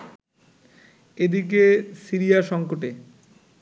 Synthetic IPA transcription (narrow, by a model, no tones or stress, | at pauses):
ed̪ikesiɾijaʃɔŋkoʈe